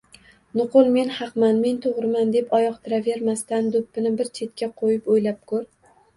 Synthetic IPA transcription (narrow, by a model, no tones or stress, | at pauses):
nʊqʊlˠme̞nhɑqmanme̞nt̪ʰoʁɾɪmand̪e̞pɒjɒqt̪ʰɪɾave̞ɾmast̪and̪ʊpːɪnɪbɪɾt͡ʃʰe̞t̪̚kʲaqʰojɪpojlap̚kʰɵɾ